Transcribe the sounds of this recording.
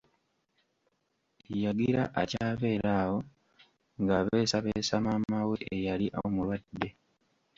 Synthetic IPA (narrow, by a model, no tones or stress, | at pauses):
jaɡiɾa̰ʔacaːβe̞ːɾʔaːwo̞ | ŋɡaβe̞ːsaβeːsamamaweʔejaliʔa̰omulwadːe̞